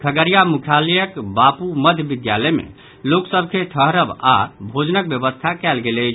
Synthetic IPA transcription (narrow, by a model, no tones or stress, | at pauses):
kʰəɡəɾijamukʰjalɛjəkbapuməd̪ʱjəbid̪jaləjmḛ | loksəbʱkʰeʈʰəɦɾəba̰bʱod͡ʒnək̚bjəbəst̪ʰakɛlɡelɛ